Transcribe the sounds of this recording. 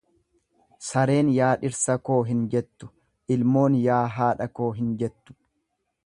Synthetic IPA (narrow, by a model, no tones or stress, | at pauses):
sɐɾe̞ːnjaːᶑɪɾsɐko̞ːɦɪnd͡ʒɛt̪ːʊ̥ | ʔɪlmo̞ːnjaːɦaːᶑɐko̞ːɦɪnd͡ʒɛt̪ːʊ̥